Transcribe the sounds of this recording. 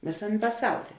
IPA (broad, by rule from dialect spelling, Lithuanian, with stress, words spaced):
ˈʋʲeːsɐmʲ pɐˈsɐʊlʲiː